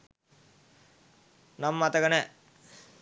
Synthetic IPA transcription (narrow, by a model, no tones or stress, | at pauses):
namːat̪əɡənə